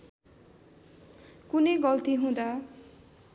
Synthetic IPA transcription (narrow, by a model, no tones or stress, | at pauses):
kuneɡɔlt̪iɦũd̪a